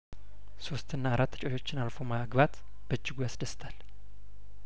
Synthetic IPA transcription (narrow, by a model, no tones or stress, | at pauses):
so̞st̪ɨnːaːɾat̪ːət͡ʃʼoʃo̞t͡ʃːɪnalfomaaɡbat̪ | b̥əd͡ʒːɪɡujasd̪əst̪ʰal